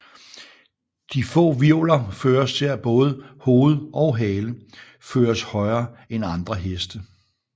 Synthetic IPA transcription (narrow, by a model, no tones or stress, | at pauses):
d̥ifɔ̰̽ːʋiolɐføːɐsseɐ̰b̥ɔ̽ːð̞ˠəho̝ːð̞̩ˠɒ̽ʊɦɛːlə | føːɐshɒ̽ɪɐːenɑ̈nd̥ʁɐɦesd̥ə